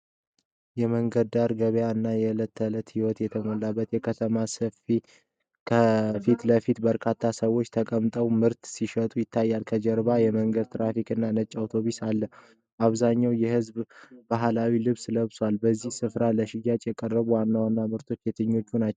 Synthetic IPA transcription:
jɛməŋɡəd̪̚aɾɡəβjaɨnːajɛlət̪ʰːələt̪hiwɔt̪jɛt̪ʰəmolːabːət̪jɛkʰət̪ʰəmasəfi | kʰəfit̪ləfit̪bəɾkʰat̪ʰːasəwo̞t͡ʃːt̪ʰəkʼəmt̪ʼəwmɨɾt̪siʃət̪ʼujɪt̪ʰːajːalkʰəd͡ʒɛɾbajɛməŋɡəd̪̚t̪ʰɾafikʼɨnːanət͡ʃʼːawt̪ʰo̞βisalːə | ʔaβzaɲːawjɛhɨzbbaɦlawilɨβsləβswalbəzːihsɨfɾaləʃɪjat͡ʃʼjɛkʼərːəβuwanːawanːamɨɾt̪ʰo̞t͡ʃːet̪ʰɨɲːo̞t͡ʃːunat͡ʃːɛw

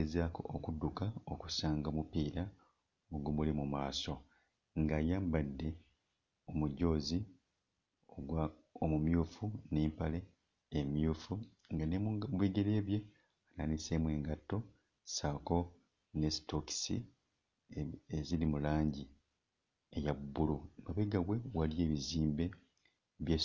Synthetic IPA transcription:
ezaːko̰ʔokudːukaoku̥saːŋɡomupiːɾa | oɡomulimumaːso̞ | ŋɡaːjaːmbadːe̞ | omuɟo̞ːzi | oɡwaomumjuːfuneːmpale̞ː | mjufu | ŋɡanemβweːɡe̞ɾe̞ːβje | ananise̞ːmwe̞ːŋɡatːo̞ | saːko̞ | nesto̞ki̥sḭ | ezilimulaːɲɟi | ejabːulunoβeɡaɡwe̞walje̞ːβiziːmbe̞ | βje

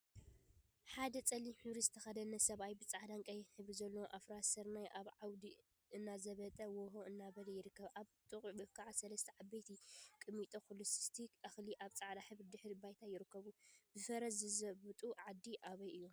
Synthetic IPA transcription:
ħad̪ɐt͡sʼɐlːiħɨβɾizɨt̪ʰɐxɐd̪ɐnɐsɐβajbɨt͡sʼaʕd̪aŋkʼɐjħɨβɾizɐlːowʔafɾasɐɾmajʔaβʕawd̪i | ɨnːazɐβɐt̪ʼɐwoɦoʔɨnːaβɐlɐjɪɾɨkːɐβʔaβt̪ʼɨχʼbɨkʰːaʕasɐlɐst̪ʰɐʕabejt̪ʰikʼɨmit̪ʼokʰolusst̪ʰikʔaxliʔaβt͡sʼaʕd̪aħɨβɾid̪ɨħɾibajt̪ʰajɪɾɨkːɐβub̥ɨfɐɾɐzɨzɐβɨt̪ʼuʕad̪ːiʔaβɐjɨjːo

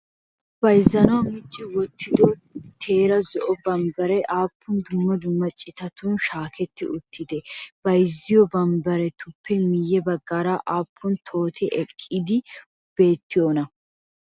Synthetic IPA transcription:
b̥ɐjzːɐnɔwɐmɪt͡ʃʼːɪwɔt̪ːɪd̪ɔt̪ʰeːɾɐzɔʔɔbɐmbɐɾɛʔaːpʰːʊnd̪ʊmːɐd̪ʊmːɐt͡ʃʼɪt̪ɐt̪ʊnʃaːkɛt̪ːɪʔʊt̪ʰːɪd̪ɛb̥ɐjzːɪjɔbɐmbɐɾɛt̪ʊpʰːɛmɪjːɛbɐɡːaːɾaʔaːpʰːʊnt̪ʰo̞ːt̪ʰɛʔɛkʼːɪd̪ɪ | b̥e̞ːt̪ːɪjoːnɐ

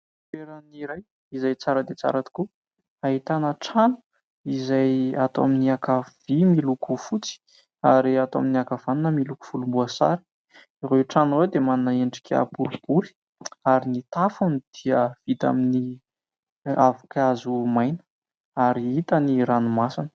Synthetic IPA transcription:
feɾəniɾaj | izajt͡saɾəd̪et͡sa̰ɾat̪i̥ku | aɦit̪anəʈ͡ʂanu̥ | izajat̪oaminiakav̥imilukufut͡si̥ | aɾiat̪oa̰miniakav̥aninəmiluku̥v̥ulumbuasa̰ɾi̥ | iɾewʈ͡ʂanwewd̪emaninəeɳɖ͡ʐi̥kʰʲa̰puɾb̥uɾi̥ | aɾinit̪afunid̪̥iəv̥it̪a̰mini | avukazumajnə̥ | aɾiit̪əniɾanumasanə̥

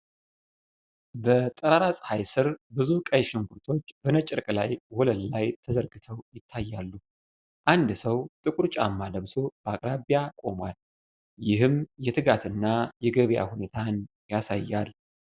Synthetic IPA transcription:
bət̪ʼəɾaɾasʼhajsɨɾbɨzukʼəjʃɪŋɡuɾt̪ʰo̞t͡ʃːb̥ənət͡ʃʼːɪɾkʼlajwɔləllajt̪ʰəzəɾɡɨt̪ʰəwjɪt̪ʰːajːalːu | ʔand̪səwt̪ʼɨkʼuɾt͡ʃʼa̰mːad̪əβso̞b̥əakʼɾaβjakʼo̞mwal | jɪɦɨmjɛt̪ʰɨɡat̪ʰɨnːajɛɡəβja̰hune̞t̪ʰan | jasajːalː

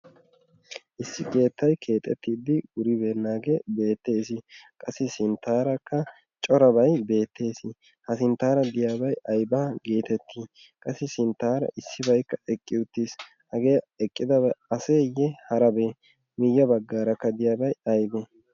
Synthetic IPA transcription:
ʔɪsːɪke̞ːt̪ːɐjkʰe̞ːt̪ʼːɛ̰t̪ːiːd̪ɪʊɾɪbeːnːaːɡebe̞ːt̪ːe̞ːs̬ɪkʼɐsːɪsɪnt̪ːaːɾɐkːɐ | t͡ʃʼɔɾɐbɐjbe̞ːt̪ːe̞ːsɪ | hɐsɪnt̪ːaːɾɐd̪ɪjaːbɐjɐjbaːɡe̞ːt̪ɛt̪ʰːiː | kʼɐsːɪsɪnt̪ːaːɾɐ̰ʔɪsːɪbɐjkːɐʔɛkʼːɪʊt̪ːis | hɐɡe̞ː | ɛkʼːɪd̪ɐbɐɐseːjːɛhɐɾɐbeː | mɪjːɐbɐɡːaːɾɐkːɐd̪ɪjaːbɐjɐjbɛ

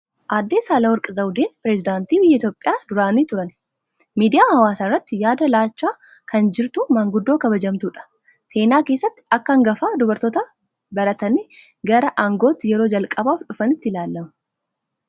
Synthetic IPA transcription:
ʔaːd̪ːe̞ːsaːlɐwɔɾkʼɐzɐwd̪eːnpɪɾɛzɪd̪aːnt̪iːbɪjːɐɪt̪joːpʼːɪjaːd̪ʊɾaːniːt̪ʊɾɐn | miːd̪ɪjaːhɐwaːsaːrːɐt̪ːɪjaːd̪ɐlaːt͡ʃːaː | kʰɐnd͡ʒɪɾt̪ʊmaŋɡʊd̪ːo̞ːkɐbɐd͡ʒɐmt̪uːᶑɐ̥ | se̞ːnaːke̞ːsːɐt̪ːɪ̥ɐkːɐɐŋɡɐfaːd̪ʊbɐɾt̪ɔt̪a | bɐɾɐt̪ɐniː | ɡɐɾɐʔaŋɡo̞ːt̪ːɪjɛɾoːd͡ʒɐlkʼɐbaːfᶑʊfɐnɪt̪ːɪlaːlːɐmʊ

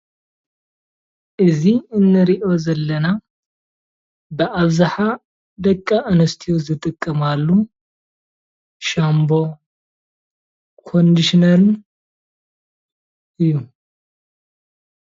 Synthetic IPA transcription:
ʔɨziɨnːɨɾiʔo̞zɐlːɐna | bəʔaβzaħa | d̪ɐkʼːaʔɨnɐst̪ʰijozɨt̪ʼɨkʼːɐmalːu | ʃambo̞ | kʰo̞nd̪iʃinɐɾɨn | ɨjːu

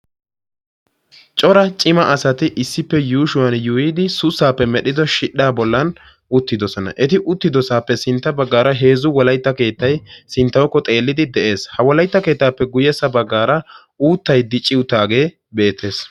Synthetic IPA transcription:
t͡ʃʼɔɾɐt͡ʃʼɪmɐʔɐsɐt̪ɪʔɪsːɪpːɛjuːʃʊwɐnjujɪd̪ɪsʊsaːpːɛmɛɗɪd̪ɔʃɪᶑːaːbɔlːɐn | ʊt̪ːɪd̪ɔsɔnɐ̰ʔɛt̪ɪʔʊt̪ːɪd̪ɔsaːpːɛsɪnt̪ːɐbɐɡːaːɾɐɦe̞ːzʊwɔlɐjt̪ːɐke̞ːt̪ːɐjsɪnt̪ːɐwɔkːɔt̪ʼe̞ːlːɪd̪ɪd̪ɛʔe̞ːshɐwɔlɐjt̪ːɐke̞ːt̪ːaːpːɛɡʊjɛsɐbɐɡːaːɾɐ | uːt̪ːɐjd̪ɪt͡ʃʼːɪʊt̪ːaːɡe̞ː | be̞ːt̪ʰːe̞ːs

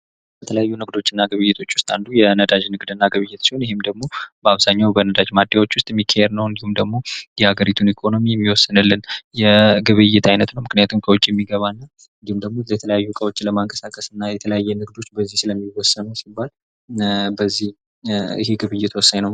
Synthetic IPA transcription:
jbət̪ʰələjajːunɨɡd̪o̞t͡ʃːɨnːaɡɨβɨjːɛt̪ʰo̞t͡ʃːwʊst̪ʼand̪ujɛnəd̪ad͡ʒnɨɡd̪ɨnːaɡəβɨjːɛt̪siho̞njɦemd̪əɡmo̞bəaβzaɲːawbənəd̪ad͡ʒmad̪ːawo̞t͡ʃːwʊst̪ʼmikʰːahɛɾnəwɨnd̪ihumd̪əɡmo̞jɛhaɡəɾit̪ʰunikʰo̞no̞mijɛmːiwɔsːənɨlːɨnjɛɡɨβɨjːɛt̪ʰajnət̪nəwmɨknɨjat̪ʰumkʰəwʊt͡ʃʼːijɛmːiɡəβanːa | ɨnd̪ihumd̪əɡmojɛt̪ʰələjajːukʼəwot͡ʃːləmaŋkʼəsakʼəsɨnːajɛt̪ʰələjajːɛnɨɡd̪o̞t͡ʃːbəzːihsɨləmːiwɔsːənəsibːal | bəzːih | ɪ̰heɡɨβɨjːɛt̪wɔsːajnəw

